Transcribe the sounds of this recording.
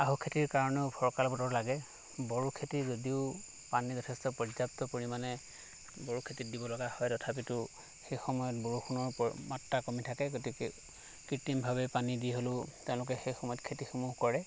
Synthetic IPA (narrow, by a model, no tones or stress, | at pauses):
aɦukʰetiɹkaɹɔnɛʊpʰɔɹkalɔpɔtɔɹlaɡɛ | bɔɹukʰetizodiʊ | panizɔtʰɛstɔpɔzaptɔpoɹimanɛ | bɔɹukʰetit̚dibɔlɔɡahɔjtɔtʰap̬itʊ | xejxɔmɔjɔtbɔɹuxʰunɔɹpmatːakɔmitʰakɛɡotikɛ | kɹitimbʱabɛpanidiɦolʊtɛʊ̃lʊk̬ɛxejxɔmɔjɔtkʰetixumuɦkɔɹɛ